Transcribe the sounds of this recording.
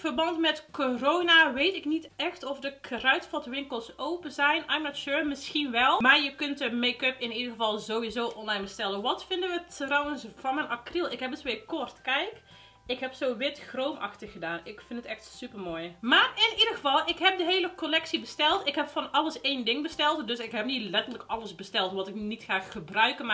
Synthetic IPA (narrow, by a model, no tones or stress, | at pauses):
v̥ərbɑntmɛtkorownaʋejtɪknitɛxtɔfdəkʰrœɥtfɔtʋɪŋkəlˠsowpəzɛjnɛjmnɔtʃøːrmɪsxinʋɛlˠmaːɹjəkɵntəmeːkɵpɪnidərɣəvɑlˠzowʋizoːʔɔnlɑjnbəstɛlˠənʋɑtfɪndəʋətrɔwənsv̥ɑnmɛnʔɑkrilˠɪkɦɛpətʋɪːkɔrtkɛjk | ɪkɦɛpsoːʋɪtxroːmʔɑ̰xtəxɣədaːnɪkfɪndətɛxtsypərmoːjmaːrɪnidəɣəvɑlˠʔɪkɦɛp̚dəɦeːləkolɛksibəstɛlˠtɪkɦɛpfɔnɑləseːndɪŋbəstɛlˠtdøsɪkɦɛpnilɛtərləkɑləsbəstɛlˠtʋɔtɪknitxaːxːəbrœɥkəma